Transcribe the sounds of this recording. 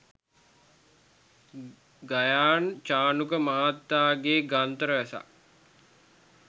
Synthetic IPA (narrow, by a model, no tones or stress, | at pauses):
ɡajaːnt͡ʃaːnukəmaɦat̪ːaːɡeːɡant̪əɾəʋæsa̰